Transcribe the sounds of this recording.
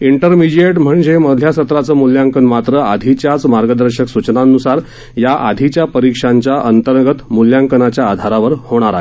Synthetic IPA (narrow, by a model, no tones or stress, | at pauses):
iɳʈəɾmid͡ʑieʈm̤əɳd͡zeməd̪ʱjasət̪ɾat͡səːmuljaŋkənmat̪ɾəad̪ʱit͡ɕjat͡smaɾɡəd̪əɾɕəksut͡ɕnanusaɾ | jaʔa̰d̪ʱit͡ɕjapəɾikʂaɲt͡ɕjaʔənt̪əɾɡət̪muljaŋkənat͡ɕjaːd̪ʱaɾaʋəɾhoɽ̃aɾaɦe